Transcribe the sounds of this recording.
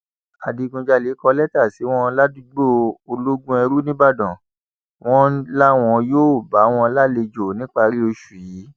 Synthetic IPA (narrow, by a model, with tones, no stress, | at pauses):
a˨di˧ɡũ˧d͡ʒa˧le˨˦kɔ˧lɛ˦ta˦˨si˨˦w̃ɔ̃˦˧la˦du˦ɡ͡bo˦o˧lo˦ɡũ˦ɛ˧ɾu˦nĩ˦ba˦˨dɔ̃˨ | w̃ɔ̃˦la˦w̃ɔ̃˧joː˦˨ba˨˦w̃ɔ̃˦˧la˦le˧d͡ʒo˨nĩ˦k͡pa˧ɾi˦o˧ʃu˨ji˨˦